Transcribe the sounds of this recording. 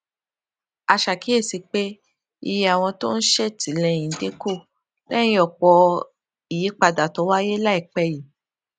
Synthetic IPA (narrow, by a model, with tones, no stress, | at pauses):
a˧ʃa˨ki˨˦e˦˨si˨˧k͡pe˦ | i˧je˧a˨w̃ɔ̃˧to˦n̩˦ʃe˦˨tʰi˨˦lɛ˧˨j̃ĩ˨de˨˦ko˦˨ | lɛ̃˦ĩ˦ɔ˦˨k͡pɔ˧ | i˨ji˨˦k͡pa˧da˨tɔ˨˦wa˦je˦la˦i˦˨k͡pɛ˧ji˨